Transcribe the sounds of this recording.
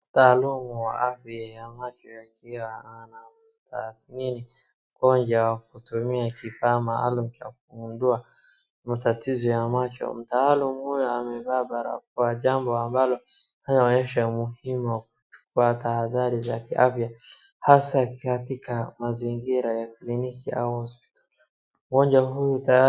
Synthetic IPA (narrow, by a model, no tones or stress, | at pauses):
m̩taːlumuwa̰ʔafjajamat͡ʃɔjakiwaana | tanini | kɔnd͡ʒawak̚utumiakifaːmaa̰lum̩t͡ʃak̚uundua | matatizɔjamat͡ʃɔ̰m̩taːlumuhujɔamɛvaːbaɾa̰k̚uwaʄambɔambalɔhanaɔɲɛʃamuhimuwak̚u̥t͡ʃu̥kuatahaðaɾizakiʔafjahasakatikamaziŋɡiɾajaklinikia̰uhɔspi̥tḁ | ɡɔɲd͡ʒaɦujuta